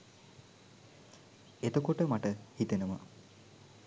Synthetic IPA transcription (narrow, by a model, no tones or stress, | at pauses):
et̪okoʈəmaʈəhit̪enumə